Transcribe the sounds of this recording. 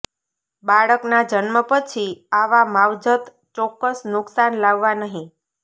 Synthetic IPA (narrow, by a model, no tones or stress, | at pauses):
baɭəknad͡ʒənməpət͡ʃʰiaʋamaʋd͡ʒət̪ | t͡ʃɔkːəsnʊksanlaʋːanəɦĩ